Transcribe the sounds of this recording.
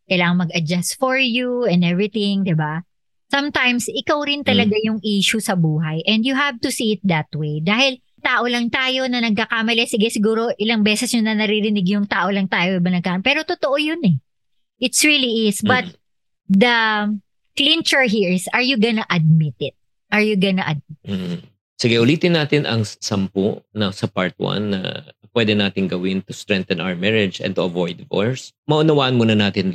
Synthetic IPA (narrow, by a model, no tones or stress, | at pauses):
kɐjlaːŋɐŋmɐɡɐd͡ʒast̪fɔɹjuɛ̃nd̪ɛvɹɪt̪ɪ̃ŋd̪ɪba | sɐmt̪ajmsɪkawɾɪnt̪ɐlɐɡajʊŋʔiːʃʊsɐbuːɦɐjʔɛ̃nd̪jʊɦav̚t̪ʊsiɪt̪̚d̪ɐt̪wejd̪aːhɪl | t̪aːʔo̞lɐŋt̪aːjo̞nɐnɐɡ̚kɐkamɐlɛsɪɡɛsɪɡuːɾo̞ʔɪlɐŋbɛːsɛsjʊnɐnɐɾiɾɪnɪɡjʊŋt̪aːʔo̞lɐŋt̪aːjod̪ɪbanɐɡkaːpɛːɾo̞t̪ot̪oʔojonɛ | ʔɪt̪sɹiliʔɪsbɐt̪̚ | d̪ɐ | klint͡ʃɛɹɦiɹsɐɹjʊɡɐnɐʔɐd̪̚mɪt̪ɛd̪̚ | ʔɐɹjʊɡɐnɐʔɐd̪̚mɪt̪̩ː | sɪɡɛʔʊliːt̪ɪnːaːt̪ɪnɐ̰ŋsɐmpo̰ʔnɐsɐpa̰ɹt̪̚wa̰nːɐ̰pwɛd̪ɛnaːt̪ɪŋɡɐwɪnt̪ʊst̪ɹɛŋt̪ɐnʔa̰wəɹmɛɹɛd͡ʒɛ̰nt̪ʊɐvojd̪vo̰ɹsmɐʔʊnɐwaːʔɐnmuːnɐnaːt̪ɪn